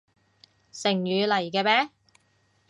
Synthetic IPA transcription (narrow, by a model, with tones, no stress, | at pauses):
sɪ˨˩ŋjyː˨˧lɐ˨˩jkɛː˧pɛː˦˥